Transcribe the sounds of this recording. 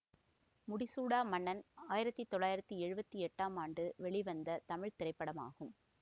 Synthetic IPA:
mʊɽɪsuːɽaːmɐɳːɐnaːjɪɾɐt̪ːit̪ːɔɭːaːjɪɾɐt̪ːɯɛɻɯbɐt̪ːɯɛʈːaːmaːɳɖɯʋɛɭɪʋɐnd̪ɐt̪ɐmɪɻt̪ɪrɐɪpːɐɽɐma̰ːɣɯm

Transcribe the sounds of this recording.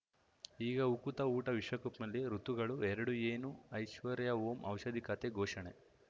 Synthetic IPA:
iːɡɐukut̪ɐuːʈɐʋiʂʋɐkupmɐlːiɾut̪ːuɡɐɭuɛɾɐɽueːnuɐjʃʋɐɾjɐoːmʔɐ̰wʃɐd̪ʱikɐt̪eɡɔːʂɐɳe

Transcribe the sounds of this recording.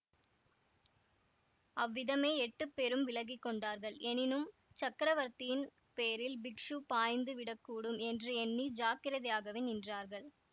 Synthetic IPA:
ɐʋːɪðɐmeːɛʈːɯpːɛɾɯmʋɪlɐɣɪkːɔɳɖaːɾɣɐɭɛnɪnɯmt͡ʃɐkːɾɐʋɐɾt̪ɪjɪn | peːɾɪlbɪkʂupaːjnd̪ɯʋɪɽɐkːuːɽɯmɛndrɯɛnːid͡ʒaːkɪɾɐðɐɪjaːɣɐʋenɪndraːɾɣɐɭ

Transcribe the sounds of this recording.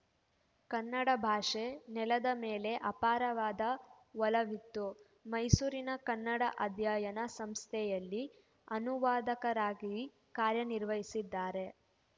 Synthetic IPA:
kɐnːɐɽɐbʱaːʂenɛlɐd̪ɐmeːle̞ʔɐpaːɾɐʋaːd̪ɐ | ʋɔlɐʋit̪ːu | mɐjsuːɾinɐkɐnːɐɽɐʔɐd̪ʱjaːjɐnɐsɐmst̪ʰɛjɐlːi | ɐnuʋaːd̪ɐkɐɾaːɡi | kaːɾjɐniɾʋɐɦisid̪ːaːɾe̞

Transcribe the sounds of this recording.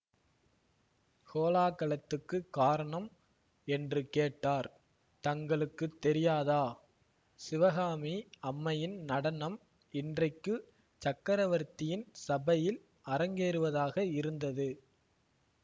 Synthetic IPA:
koːlaːkɐɭɐt̪ːɯkːɯkaːɾɐɳɐm | ɛndrɯkeːʈːaːɾ | t̪ɐŋɡɐɭɯkːɯt̪ːɛɾɪjaːðaː | sɪʋɐɣaːmiɐmːɐjɪnnɐɽɐnɐm | ɪndrɐɪkːɯ | t͡ʃɐkːɐɾɐʋɐɾt̪ːɪjɪnsɐbɐjɪl | ɐɾɐŋɡeːɾɯʋɐðaːɣɐɪɾɯnd̪ɐðɯ

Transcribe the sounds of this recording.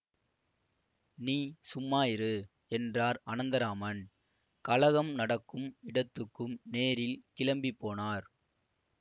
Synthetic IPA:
niːsʊmːaːjɪɾɯ | ɛndraːɾɐnɐnd̪ɐɾaːmɐn | kɐlɐɣɐmnɐɽɐkːɯmɪɽɐt̪ːɯkːɯmneːɾɪlkɪlɐmbipːoːnaːɾ

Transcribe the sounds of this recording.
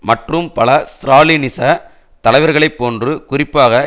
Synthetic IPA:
mɐʈrɯmpɐlɐsɾaːlinɪsɐ | t̪ɐlɐɪʋɐɾɣɐɭɐɪpːoːndrɯkʊrɪpːaːɣɐ

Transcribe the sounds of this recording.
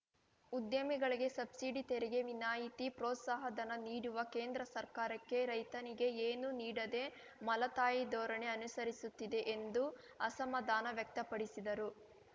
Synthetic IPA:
ud̪jɐmiɡɐɭiɡe̞sɐbsiɖit̪eɾɛɡe̞ʋinaːjit̪ipɾɔːt̪saːɦɐd̪ɐnɐniːɽuʋɐke̞ːnd̪ɾɐsɐɾkaːɾɐkːe̞ɾɐjt̪ɐniɡe̞eːnuniːɽɐd̪e̞ | mɐlɐt̪aːjid̪ɔːɾɐɳeɐnusɐɾisut̪ːid̪e̞ʔend̪u | ɐsɐmɐd̪aːnɐʋjɐk̚t̪ɐpɐɽisid̪ɐɾu

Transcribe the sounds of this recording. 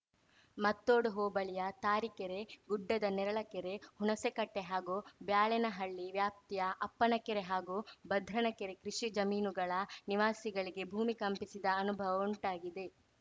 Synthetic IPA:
mɐt̪ːoːɽuɦoːbɐɭijɐt̪aːɾikeɾe̞ɡuɖːɐd̪ɐnɛɾɐɭɐkɛɾe̞huɳɐsekɐʈːeɦaːɡubjaːɭɛnɐɦɐɭːiʋjaːp̚t̪ijɐʔɐpːɐnɐkɛɾe̞ɦaːɡuːbɐd̪ʱɾɐnɐkeɾe̞kɾiʂid͡ʒɐmiːnuɡɐɭɐniʋaːsiɡɐɭiɡe̞bʱuːmikɐmpisid̪ɐːnubʱɐʋɐuɳʈaːɡid̪e̞

